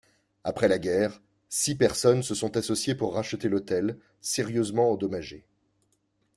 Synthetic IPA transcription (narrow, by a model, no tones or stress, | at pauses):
apχɛlaɡʲɛːʁ | sipɛʁsɔnsəsɔ̃t̪asɔsjepuʁːaʃət̪elot̪ɛl | seʁjøzmɑ̃ːd̪ɔmaʒe